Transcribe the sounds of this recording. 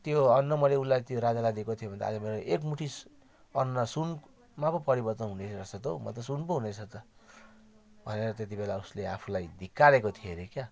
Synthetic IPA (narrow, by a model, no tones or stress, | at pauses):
t̪joʌnːʌmʌleulajt̪joɾad͡zalad̪iekot̪ʰiobʱʌnd̪a̰ːd͡zʌmeɾoʔekmuʈʰis | ʌnːʌsun | mapʌpʌɾibʌrt̪ʌnɦunerʌsʰʌt̪omʌ̰t̪ʌsunpoɦunesʰʌt̪ʌ | bʱʌneɾʌt̪et̪̬ibelauslea̰pʰulajd̪ʱikːaɾekot̪ʰieɾekja